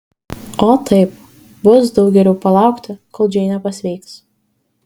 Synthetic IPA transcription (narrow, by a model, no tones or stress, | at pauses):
oːt̪ɐɪp̚ | bʊsd̪ɐʊɡʲɛlʲɛʊpɐlˠɑˑʊkt̪ʲɪkoːlˠd͡ʒʲɛɪnʲɛpɐsʲʋʲɛɪks